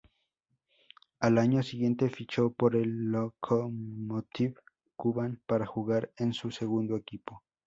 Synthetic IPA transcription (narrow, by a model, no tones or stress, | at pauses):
alaɲosiɣje̞nt̪efit͡ʃopoɾelːokʰomot̪iβ | kuβanpaɾaxuɣaɾensuseɣund̪oekipo